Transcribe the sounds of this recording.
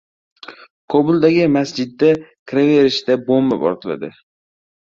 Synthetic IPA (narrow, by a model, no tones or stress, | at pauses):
kʰobʊlˠd̪aɡʲɪmasd͡ʒɪd̪ːakʲʰɾave̞ɾɪʃd̪abomːapɒ̰ɾt̪ʰɪla̰d̪ɪ